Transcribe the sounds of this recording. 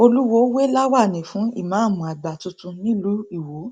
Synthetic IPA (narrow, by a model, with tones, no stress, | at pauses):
o˧lu˦wo˦we˦la˦wa˦˨nĩ˨fũ˨˦ḭ˦˨mãː˨˦˨mũ˨a˨ɡ͡ba˨tũ˧tũ˧nĩ˦lu˦i˦˨wo˨˦